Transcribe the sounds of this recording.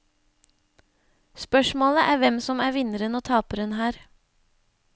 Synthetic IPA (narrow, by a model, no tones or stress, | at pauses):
spœʃmoːləʔæːʋɛmsɔmæːɾʋɪnəɾənoːt̪ʰɑːpəɾənhæːɾ